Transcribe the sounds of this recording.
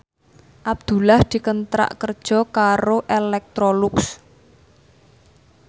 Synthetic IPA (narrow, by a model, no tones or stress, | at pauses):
ʔab̚d̪̥ṳlahd̪̥i̤kənt̪ɾa̰ʔkərd̥ʒ̥ɔ̤kaɾoʔelɛk̚t̪ɾoluks